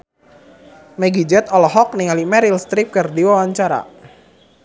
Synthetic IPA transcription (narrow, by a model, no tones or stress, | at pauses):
mɛɡid͡ʒɛt̪ɔlɔɦɔk̚niŋalimɛɾilst̪ɾip̚kɨrdiwawaɲt͡ʃaɾa̰